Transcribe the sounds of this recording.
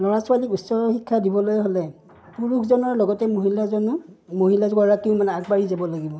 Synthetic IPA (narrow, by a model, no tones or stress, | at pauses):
lɔɹaswalikutsɔɹxikʰːadibɔlojɦolɛ | puɹukʰzɔnɔɹlɔɡɔtɛmoɦilazɔnu | moɦilaɡɔɹakiʊ̃manɛaɡbaɹizabɔlaɡibɔ